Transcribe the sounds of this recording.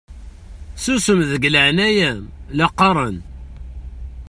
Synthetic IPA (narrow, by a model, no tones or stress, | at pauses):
susəmðəɡləʕnæjæmlɑqːɑɾˤən